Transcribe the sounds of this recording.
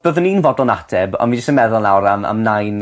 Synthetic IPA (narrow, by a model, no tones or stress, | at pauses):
b̥əðəninvɔdɔlˠnatʰɛbɔ̰nmind͡ʒəstənmɛðʊlˠnawɾama̰mnajn